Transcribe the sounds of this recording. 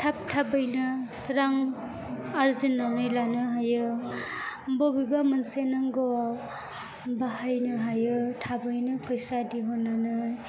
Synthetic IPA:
tʰap̚tʰabɯjnɯt̪ʰɾaŋ | aɾzinanɯjlanɯɦajɯ | bɔbibamansenaŋɡɔ | baɦajnɯɦajɯtʰabɯjnɯpʰɔjsadiɦɔnanɯ

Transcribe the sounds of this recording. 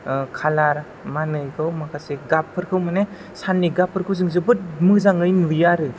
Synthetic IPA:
kʰalaɾ | manɯjkʰawmakʰaseɡapʰːɯɾkʰɯwmane | sanːiɡapʰːɯɾkʰɯwzɯŋzɯbɯt̚mɯzaŋɯjnujaɾɯ

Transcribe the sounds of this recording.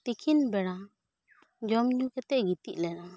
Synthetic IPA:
t̪ikʰinbɛɽa | d͡ʒɔmɲukɛt̪ɛʔɡit̪iʔlɛna

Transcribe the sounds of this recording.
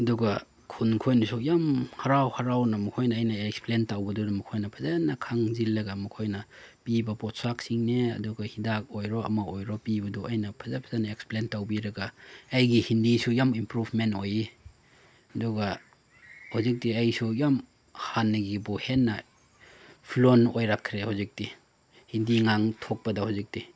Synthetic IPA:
ɐduɡɐ | kʰunkʰojnisʰujamhaɾawhaɾawnɐmɐkʰojnɐːjnɐeksplentawbɐdunɐmukʰojnɐpʰazanɐkʰaŋzilːɐɡamukʰojnɐpibɐpɔt̚sak̚siŋneɐ̰duɡɐhidak̚ojɾoɐ̰maojɾɔpibɐduajnɐpʰazapʰazanaeksplentawbiɾɐɡaːjɡihindisujamimpɾupʰmentoji | ɐduɡɐ | hawzik̚diajsujam | hanːɐɡibuhenːɐ | pʰlonojɾakʰːɾehawzik̚ti | hindiŋaŋtʰok̚pɐdɐhawzik̚ti

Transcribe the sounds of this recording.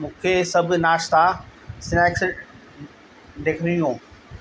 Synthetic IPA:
mũːkʰesɐbʱʊnaːʃt̪asɪnɛːks | ɖeːkʰɾijũː

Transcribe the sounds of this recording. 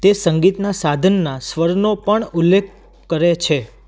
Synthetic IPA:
t̪esəŋɡit̪nasad̪ʱənːasʋəɾnopəɳulːekʰ | kəɾet͡ʃʰe

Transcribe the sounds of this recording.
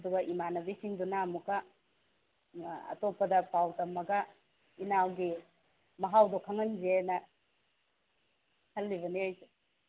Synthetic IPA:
ɐduɡɐʔimanɐbisiŋdunamukɐ | ɐ̰topːɐdɐpawtɐmːɐɡɐ | inawɡi | mɐɦawdokʰɐŋɐnd͡ʒenɐ | hɐlːiβɐniajse

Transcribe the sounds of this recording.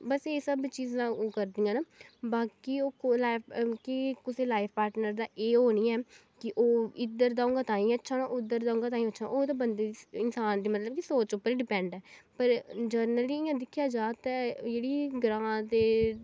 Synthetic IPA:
bəseːsəbt͡ʃiːzãːoːkəɾd̪ĩːɡãːnaːbaːkiːoːlakikɪseːlaːɪpʰpaːɾʈnəɾd̪aːʔeːɦoːniːɛː | kɪʔoːɪd̪əɾd̪aːʊ̃ŋɡaːt̪ãːĩːətːʃʰaːnãːʔʊd̪əɾd̪aːʊ̃ŋɡaːt̪aːĩːətːʃʰaʔoːt̪ãːbənd̪eːd̪iɪnsaːnd̪iːmət̪ləb̚kisoːt͡ʃʊpːəɾiɖɪpɛ̃ːɳɖɛːpəɾd͡ʒəɾnəliːɪːãːd̪ɪkʰjaːd͡ʒaːt̪ɛːd͡ʒeːɽiːɡɾãːt̪eː

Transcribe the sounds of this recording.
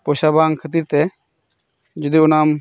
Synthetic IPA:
poːʃabaːŋɡkʰət̪iːɾt̪ɛ | d͡ʒʊd̪iʊnaːm

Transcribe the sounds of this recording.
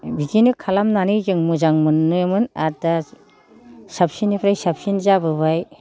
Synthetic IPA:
bikinɯkʰalamnanɯjzɯŋmuzaŋmɯnːɯjmɯnada | sap̚sinipʰɾajsapsinzabɯβaj

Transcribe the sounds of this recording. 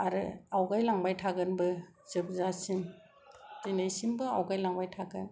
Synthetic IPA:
aɾɯ̰awɡajlaŋbajtʰaɡɯnbɯ | zɯp̚zasin | tinajsimbɯa̰wɡajlaŋbajtʰaɡɯn

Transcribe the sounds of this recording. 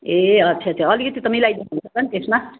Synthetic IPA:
eʌtːsʰaʌt͡sʰeʌlikʌt̪it̪ʌmilajd̪inɦunsʰʌkʌnt̪esma

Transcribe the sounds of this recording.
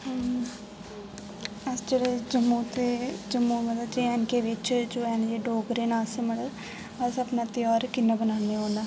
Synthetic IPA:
əsd͡ʒeːɽed͡ʒəmːuːt̪eːd͡ʒəmːuːmət̪ləbd͡ʒeɛːnkeːʋɪt͡ʃd͡ʒoːɛːnd͡ʒeːɖoːɡɾeːnaːseməɽə | əsəpnãːt̪ɪjaːɾkɪnːaːbənaːneoːnaː

